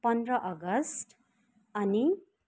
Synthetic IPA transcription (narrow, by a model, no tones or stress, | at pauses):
pʌnd̪rʌʔʌɡʌsʈ | ʌni